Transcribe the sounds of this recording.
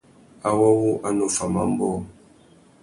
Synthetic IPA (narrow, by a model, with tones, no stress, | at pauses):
a˦˨wɔ˦wu˦ʔa˦no˦fa˨ma̰˦˨m̩˦bɔ˦˨